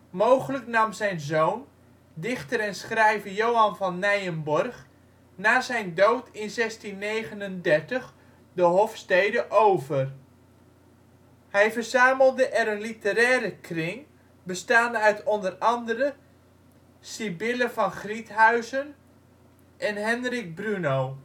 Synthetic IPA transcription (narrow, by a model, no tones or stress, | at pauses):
mowχələknɑmzɛjnzoːwn | dɪχtəɾɛnsχrɛjvəjowɑnvɑnːɛjənbɔrχ | naːzɛjndowtʰɪnzɛstinːejɣənəndɛrtəχ | dəɦɔfstejdəʔowvər | hɛjvərzaːməlˠdəʔɛɾənlitəɾɛːɾəkʰrɪŋ | bəstaːnœɥtʰɔndərɑndəɾə | sibɪləvɑnχritɦœɥzən | ʔɛnɦɛnrik̚brynow